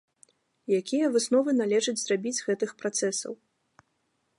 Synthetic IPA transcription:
jakʲʰijɐvɨsnɔvɨnalʲɛʐɐd͡zʲzrabʲid͡zʲɣɛt̪ɨxpɾat̪sɛsɐ̰w

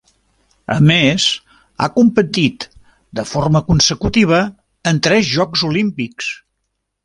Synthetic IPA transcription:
ə̰mez | a̰kumpət̪it̪ | d̪əforməkunsəkut̪iβ̞əː | nt̪ɾɛzʒɔkzulimpiks

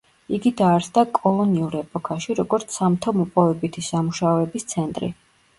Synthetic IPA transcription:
iɡid̪aːɾsd̪akʼɔlˠɔniuɾɛpʼɔkʰaʃiɾɔɡɔɾt̪sʰamt̪ʰɔmɔpʼɔvɛbit̪ʰisamuʃaɔɛbist̪sʰɛnt̪ʼɾḭ

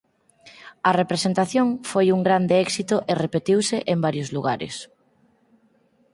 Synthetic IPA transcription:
ɐrepɾesent̪aθjoŋfojuŋɡɾand̪eɛksit̪oʔerepet̪iwseʔembaɾjʊzluɣaɾḛs

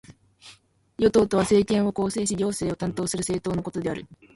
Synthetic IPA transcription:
jo̞t̪o̞ːt̪o̞βase̞ːkẽ̞ɰ̃o̞ko̞ːse̞ːɕiɾʲo̞ːse̞ːo̞t̪ãnt̪o̞ːsɨɾɯ̟se̞ːt̪o̞ːnoko̞t̪o̞d̪e̞aɾɯ̟

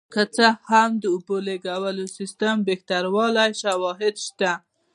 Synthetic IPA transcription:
kət͡səhamd̪əʊboleɡawəlosist̪əmbext̪aɾwɑlajʃawɑɦɪd̪ʃt̪a

